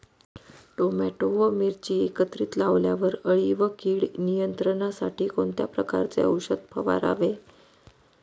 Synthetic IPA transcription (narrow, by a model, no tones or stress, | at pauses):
ʈomæʈoʋəmiɾt͡ɕiːekət̪ɾit̪laʋljaʋəɾəɭiʋəkiːɽnijənt̪ɾəɳasaʈiːkoɳt̪japɾəka̰ɾt͡sḛəwɕəd̪̚pʰəʋa̰ɾa̰ʋe